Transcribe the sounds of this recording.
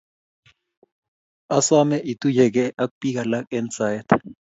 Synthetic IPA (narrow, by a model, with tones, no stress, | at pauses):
a˦swa˦mɛ˦ʔi˨t̪u˦jɛ˨k̬ɛ˦ʔa˦kupi˦k̬a˨la˦k̚ʼɛnt͡sa˨jt̪ʰa